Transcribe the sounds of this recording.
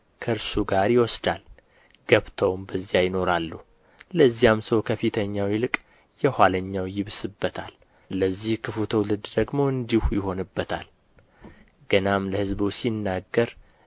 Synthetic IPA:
kʰəɾsuɡaɾjɪwɔsd̪al | ɡ̥əβt̪ʰəwmbəzːijajɪno̞ɾalːuh | ləzːijamsəwkʰəfit̪ʰəɲːawilɨkʼ | jɛhʷaləɲːawjɪβsɨbːət̪ʰal | ləzːihkʰɨfut̪ʰəwlɨd̪d̪əɡmo̞ɨnd̪ihujɪɦo̞nɨbːət̪ʰa̰l | ɡ̥ənamləhɨzbusinːaɡːəɾ

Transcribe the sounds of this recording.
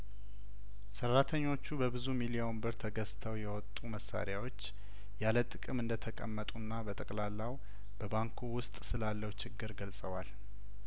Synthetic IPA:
sərːat̪ʰəɲːo̞t͡ʃːubəbɨzumilijombɨɾt̪ʰəɡəst̪ʰəwjɛwɔt̪ʼːuməsːa̰ɾjawo̞t͡ʃː | jalət̪ʼɨkʼɨmɨnd̪ət̪ʰəkʼəmːət̪ʼunːabət̪ʼəkʼlalːaw | b̥əbaŋkʰuwʊst̪ʼsɨlalːəhwt͡ʃɪɡːɨɾɡəlsʼəwal

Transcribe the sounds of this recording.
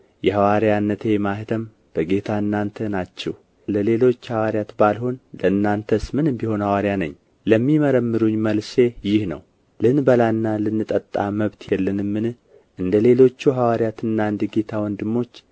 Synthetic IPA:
jɛɦawaɾijanːət̪ʰe̞mahɨt̪ʰəm | b̥əɡe̞t̪ʰaɨnːant̪ʰənat͡ʃːɛw | ləle̞lo̞t͡ʃːhawaɾjat̪balho̞nləɨnːant̪ʰəsmɨnɨmbiho̞nhawaɾijanə̰ɲː | ləmːiməɾəmːɨɾuɲːməlse̞jɪhnə̰w | lɨnbəlanːalɨnːɨt̪ʼət̪ʼːa̰məβt̪ʰjɛlːənɨmːɨnɨ | ʔɨnd̪əle̞lo̞t͡ʃːuɦawaɾjat̪ʰɨnːaɨnd̪əɡe̞t̪ʰawɔnd̪ɨmːo̞t͡ʃː

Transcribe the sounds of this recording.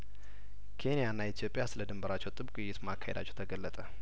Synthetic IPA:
kʰe̞nijanːait̪ʰijo̞pʼijasɨləd̪ɨmbəɾat͡ʃːɛwt̪ʼɨbkʼujːɪt̪makʰːahed̪at͡ʃːɛwt̪ʰəɡəlːət̪ʼə

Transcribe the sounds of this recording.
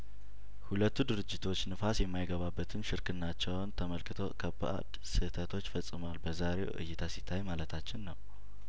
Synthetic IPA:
hulət̪ːud̪ɨɾɨd͡ʒːɪt̪ʰo̞t͡ʃːnɨfasjɛmːajɡəβabːət̪ʰɨnʃɪɾkʰɨnːat͡ʃːɛwnt̪ʰəməlkɨt̪ʰo̞̰kʰəba̰ʔa̰d̪ | sɨt̪ʰət̪ʰo̞t͡ʃːfəsʼːɨmwalbəzaɾe̞wʔɨ̰jːɪt̪ʰasit̪ʰːajmalət̪ʰat͡ʃːɪnːəw

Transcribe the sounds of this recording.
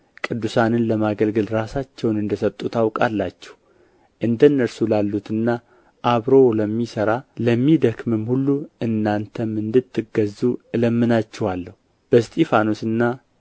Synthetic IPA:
kʼɨd̪ːusanɨnləmaɡəlɡɨlɾasat͡ʃːɛwnɨnd̪əsət̪ʼːut̪ʰawkʼalːat͡ʃːɛ̥h | ʔɨnd̪ənːəɾsulalːut̪ɨnːa | ʔaβɾo̞ləmːisəɾaləmːid̪əkmɨmhulːuʔɨnːant̪ʰəmːɨnd̪ɨt̪ʰːɨɡəzuɨləmːɨnat͡ʃːɛwalːəhu | b̥əst̪ʼefanosɨnːa

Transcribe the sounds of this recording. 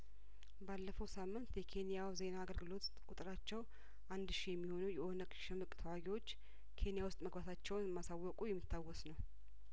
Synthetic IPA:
balːəfəwsamːɨnt̪jɛkʰe̞nijawze̞naːɡəlɡɨlo̞t̪kʼut̪ʼɨɾat͡ʃːɛw | ʔand̪ʃijɛmːiho̞nujɛʔonəkʼʃɪmɨkʼt̪ʰəwaɡiwo̞t͡ʃː | kʰe̞nijawʊst̪ʼməɡbat̪ʰat͡ʃːɛwnmasawːɔkʼujɛmːit̪ːawːɔsnəw

